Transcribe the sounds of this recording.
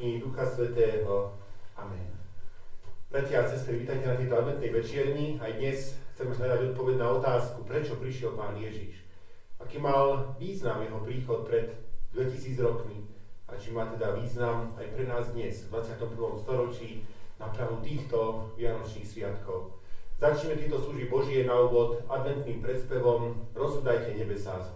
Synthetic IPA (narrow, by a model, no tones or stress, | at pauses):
id̪uxasʋɛt̪ɛːɦɔ | amɛ̰n | b̥ɾacɪaːsɛst̪ɾiʋiːt̪ajcɛnat̪̬ɛjt̪ɔad̪mɛnt̪nɛjʋɛt͡ʃɪɛɾɲiajd̪ɲɛsxt͡sɛmɛznad̪aɟɔt̪̚pɔʋɛɟnaɔt̪aːskupɾɛt͡ʃɔpɾiʃɪɛlpaːnjɛʒḭʃ | akiːmalʋiːznamjɛɦɔpɾiːxɔt̪̚pɾɛd̪d̪ʋɛcisiːd͡zɾɔkmiat͡ʃimaːt̪ɛd̪aʋiːznamajpɾɛnaːzd̪ɲɛzvd̪ʋat͡sɪat̪ɔmpr̩ʋɔmst̪ɔɾɔt͡ʃiːnapɾaɦut̪iːxt̪ɔʋɪanɔt͡ʃniːxsʋɪat̪kɔʊz̥at͡ʃɲɛmɛt̪jɛt̪ɔsluʒbibɔʒɪɛnauːʋɔd̪ad̪ʋɛnt̪niːmpɾɛt̪spɛʋɔmɾɔzud̪ajcɛɲɛbɛsaz